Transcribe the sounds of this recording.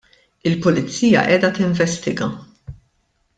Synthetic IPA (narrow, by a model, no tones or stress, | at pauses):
ɪlpʊlɪt͡sːiːjɐ̰ʔɛːd̪ɐt̪ɪɱvɛst̪ɪɡɐ